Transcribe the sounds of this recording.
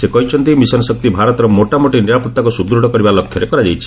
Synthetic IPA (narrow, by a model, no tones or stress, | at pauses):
sekɔɦit͡ʃʰɔnt̪imisɔnɔsɔk̚t̪ibʱaɾɔt̪ɔɾɔmoʈamoʈiniɾapɔt̪ːakusud̪ɾuɽɔkɔɾibalɔkʰːjɔɾekɔɾad͡ʒajt͡ʃʰi̥